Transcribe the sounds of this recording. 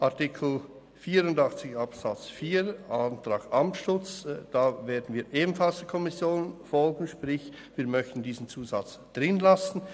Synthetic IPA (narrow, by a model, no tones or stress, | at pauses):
ʔaɐtɪkʰl̩ | fiːɾʊndɑχt͡sɪçapsat͡sfiːɾʔantʁ̥ɑːkʔamtʃʊt͡sd̥aːveːɐdn̩viːʔeːbm̩falsd̥ɛɐkʰɔmɪsjoːnfɔlɡŋ̩ʃpʁɪç | viːɐmœçtn̩diːzn̩t͡suːza̰t͡s | d̥ʁɪnlasn̩